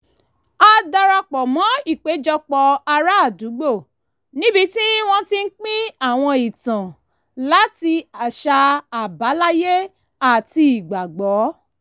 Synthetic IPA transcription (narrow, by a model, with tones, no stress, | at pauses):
a˧da˧ɾa˧k͡pɔ˨mɔ̃˨˦i˦˨k͡pe˨˦d͡ʒɔ˧k͡pɔ˧a˧ɾa˦˨du˨˦ɡ͡bo˦˨ | nĩ˦bi˦ti˦w̃ɔ̃˦ti˦n̩˦k͡pĩ˦a˦˨w̃ɔ̃˧i˨tã˨ | la˨˦ti˧a˨ʃa˧a˨ba˨˦la˦je˦ | a˨tiː˧˨ɡ͡ba˨ɡ͡bɔ˨˦